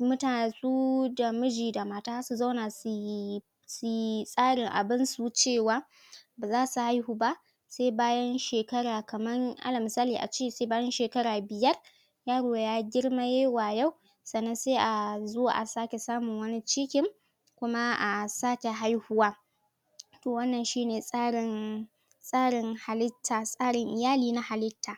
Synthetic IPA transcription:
mʊ˦taː˨su˦da˨mʊ˦d͡ʒiː˨da˨maː˦taː˦su˨za˦wna˨s | su˨sʼaː˦ɽɪ˨ŋʔa̰˨bɪ˦nsu˦t͡ʃeː˦˨waː˦ | baː˨zaː˦su˨ha˦jhuː˦ba˦ʔ | se˦jbaː˦jɐ˦nʃeː˨kɐ˦ɽaː˨kɐ˨mɐ˦ŋʔa̰˦lɐ˨m˨saː˦liː˨ʔa̰˨t͡ʃeː˦˨se˦baː˦jɐ˦nʃeː˨kɐ˦ɾaː˨bɪ˨jɐ˦r | jaː˦ɽoː˨jaː˦ɡʲɪ˦ɽma˦jeː˦waː˨ja˦w | sɐ˨nːɐ˦nseː˦ʔa˨zo˦wa̰ː˨ʔa˨saː˦kʲe˨saː˦mʊ˨ŋwɐ˦ni˦t͡ʃɪ˦kʲɪ˨ŋ | kʷʊ˦ma˦ʔa˨saː˦kʲe˨ɦa˦jhʊ˦waː˦ | toː˨wɐ˦nːɐ˨nʃiː˦neː˨sʼaː˦ɽɪ˨n | sʼaː˦ɽɪ˨ŋha˨lɪ˦tʰːaː˨sʼaː˦ɽɪ˨ŋʔɪ˨jaː˦liː˦˨na˦ha˨lɪ˦tʰːaː˨

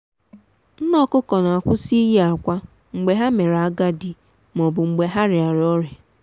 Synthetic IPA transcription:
n̩˦nɔ˦kʊ˦kɔ˨na˨a˨kʷʊ˦si˦ji˦a˨kʷa˦ | ŋ͡m̩˨ɡ͡be˨ɦa˦me˨ɾa˨a˦ɡa˦dɪ˨ | m˨ɔ˨bʊ˨ŋ͡m̩˨ɡ͡be˨ɦa˦ɾɪ˨a˨ɾɔ˦ɾe˨

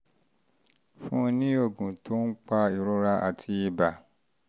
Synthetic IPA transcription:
fũ˦nĩ˦o˦˨ɡũ˨tʰo˦n̩˦k͡pa˧i˨ɾo˦ɾa˦ʔa˧tʰi˧i˧ba˨

